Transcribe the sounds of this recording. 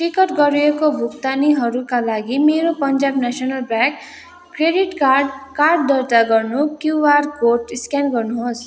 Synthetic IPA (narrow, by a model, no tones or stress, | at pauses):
ʈikʌʈɡʌɾuekobʱukt̪aniɦʌɾukalaɡimeɾopʌnd͡zabnasʌnʌlbrakː | reɖiʈkarɖ̚d̪ʌɾt̪aɡʌrnukjuwarkoʈiskjanɡʌrnuɦos